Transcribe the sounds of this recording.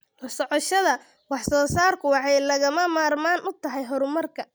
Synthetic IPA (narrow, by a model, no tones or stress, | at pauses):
wɑħsɔʕɔʃɐðɐ | wɑħsɔːsaːrkʰʊwɑħɑjlɐɣɐmɐmaːrmaːnʔʊt̪ʰɐɦɛjɦɔɾʊmɐrkʰɐ